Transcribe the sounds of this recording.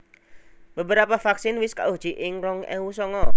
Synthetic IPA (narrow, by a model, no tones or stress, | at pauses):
b̥əbəɾapafaksɪnwɪska̰ʔud̥ʒ̥i̤ʔɪŋɾɔŋɛ̰wusɔŋɔ